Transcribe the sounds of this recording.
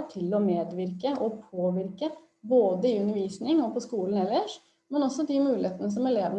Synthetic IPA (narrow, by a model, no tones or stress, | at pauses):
ʈʰɪlɔmeːd̪ʋɪɾkəʔɔpʰoːʋɪɾkə | boːd̪əɪʉnːəɾʋiːsnɪŋɔpʰɔskuːln̩ɛlːəʂ | mɛnɔsːɔd̪ɪmʉːlɪeːt̪ənəs̬ɔmɛleːʋən